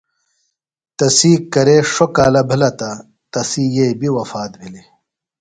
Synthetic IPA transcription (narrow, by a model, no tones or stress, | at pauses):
t̪ɐsiːkɐɾeʂokaːlɐbʱɐlɐt̪ɐ | t̪ɐsiːjebiwɐfaːt̪̚bʱili